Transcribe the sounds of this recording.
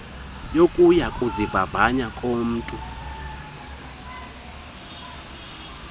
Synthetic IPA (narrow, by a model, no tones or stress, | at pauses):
jokʼujakʼuzivavaɲakʼoːm̩ːtʼu